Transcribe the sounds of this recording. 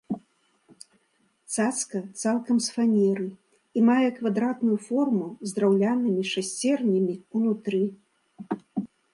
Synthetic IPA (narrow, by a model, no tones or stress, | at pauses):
t̪sat̪skɐt̪salˠkɐmsfanʲɛɾɨ | imajɛkvad̪ɾat̪nujufɔrmuzd̪ɾawlʲanɨmʲiʂasʲt͡sʲɛrnʲimʲiunut̪ɾɨ